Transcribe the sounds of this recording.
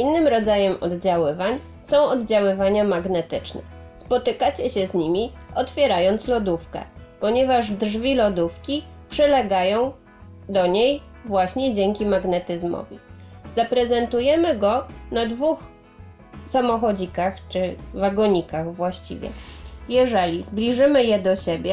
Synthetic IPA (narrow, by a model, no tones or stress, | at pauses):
ʔinːɘmɾɔd̪zajɛmʔɔ̰d̪d͡ʑawɘvaɲ | sɔ̃w̃ɔd̪d͡ʑawɘvaɲamaɡnɛt̪ɘt͡ʂnɛ̰ | spɔt̪ɘkat͡ɕɛɕɛzɲimʲiɔt̪fʲjɛɾajɔnt̪slɔd̪ufkɛ̰pɔɲɛvaʐdʐvʲilɔd̪ufkʲipʂɛlɛɡajɔ̃w̃ | d̪ɔɲej | vwaɕɲɛd͡ʑɛŋkʲimaɡnɛt̪ɘzmɔ̰vʲḭzapɾɛzɛnt̪ujɛmɘɡɔnad̪vux | samɔxɔd͡ʑikaxt͡ʂɘvaɡɔɲikaɣvwaɕt͡ɕḭvʲjɛ̰jɛʐɛlʲizblʲiʐɘmɘjɛd̪ɔɕebʲjɛ